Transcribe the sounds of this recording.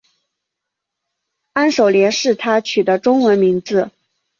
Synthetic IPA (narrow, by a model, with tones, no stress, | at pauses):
a˥nʂo˨˩ʊljɛ˧˥nʂɻ̩˥˩t̪ʰa˥t͡ɕʰy˨˩d̪ə˦ʈ͡ʂʊ˥ŋwə˧˥nmi˧˥ŋd͡zɹ̩˧